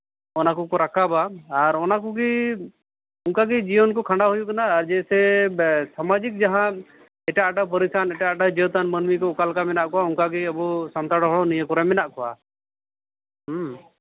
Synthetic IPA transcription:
ɔnakukɔɾakʰabaːɾɔnakuɡi | uŋkaɡid͡ʒiwɔnkɔkʰãɳɖaɦujukanaːɾd͡ʒɛsɛsamad͡ʒik̚d͡ʒaɦã | ɛʈaʔaʈap̬əɾisanɛʈaʔʈad͡ʒəwt̪anmənmikɔukalkamɛnaʔkɔauŋkaɡiəbusamt̪aɽɔɦɔɽɔnijəkɔɾamɛnaʔkɔa

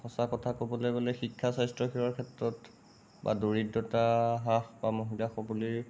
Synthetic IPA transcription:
xɔsakɔtʰakobɔlejbɔlexikʰːasajstɹɔkʰiwakʰɛtɹɔt | ba̰doɹidːɔtaɦaxbamoɦilaxɔbɔli

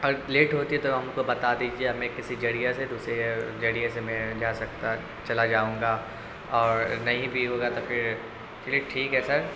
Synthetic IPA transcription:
ɐɡəɾleːʈɦoːt̪iɦɛt̪oɦɐmkobɐt̪ad̪iːd͡ʒieɦɐmɛ̃kɪsid͡ʒɐɽijased̪uːsɾed͡ʒɐɽijãsemɛ̃d͡ʒaːsɐkt̪a | t͡ʃɐlad͡ʒaːũːŋɡa | ɔːɾnɐɦĩbʱiɦoːɡat̪ofɪɾ | t͡ʃleːʈʈʰːiːkɦɛsɐɾ

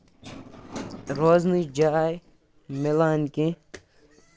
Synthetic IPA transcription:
ɾoːznid͡ʒaj | melaːnkẽ

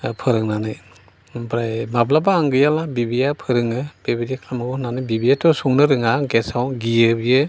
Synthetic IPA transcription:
pʰɯɾɯŋnanɯ | bɾajmablabaːŋɡɯjalabibijapʰɯɾɯŋɯb̥ebidikʰlamɯɡɔnanɯbibiatʰɔsuŋnɯɾɯŋaɡesawɡiɯbijɯ

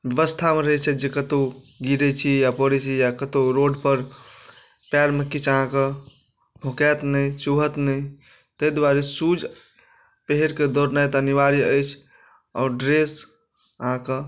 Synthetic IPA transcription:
bjəʋəst̪ʰameɾəɦɛt͡ʃʰɛd͡ʒekət̪o | ɡiɾɛt͡ʃʰijapəɾɛt͡ʃʰijakət̪oɾoɖpəɾ | paɾməkːit͡ʃʰəɦãke | bʱokat̪nəjt͡ʃuɦət̪nəi | t̪əd̪waɾesud͡ʒ | pəɦeɾked̪oɾnajt̪niʋaɾiəjt͡ʃʰ | ɔɾɖɾes | əɦãke

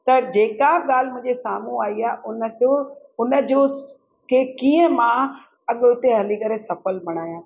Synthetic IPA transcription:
t̪ɐd͡ʑeːkaɠaːl̤ɪmʊ̃ɦɪ̃ɲd͡ʑesaːmũaːiaːʔʊnəd͡ʑo | ʊnəd͡ʑoː | kʰeːkĩːə̃mã | ɐɠoɪt̪eɦɐlikɐɾesɐfəlbɐɽ̃aːjãː

